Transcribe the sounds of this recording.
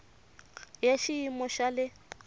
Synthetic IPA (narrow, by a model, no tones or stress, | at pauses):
jaʃiimɔʃalɪ